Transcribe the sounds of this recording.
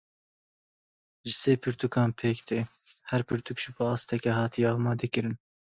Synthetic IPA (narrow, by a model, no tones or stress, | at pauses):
ʒɨseːpʰɨɾt̪ukɑːnpʰeːkt̪eːhɛɾpʰɨɾt̪ʰukʒɨbɨɑːst̪ʰɛkʲɛɦɑːt̪ʰijɛɑːmɑːd̪ɛkɨɾɨn